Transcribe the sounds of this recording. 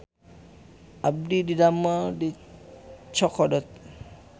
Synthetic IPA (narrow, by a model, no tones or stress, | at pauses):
ab̚dididamadi | t͡ʃʰɔkʰɔdɔt̪̚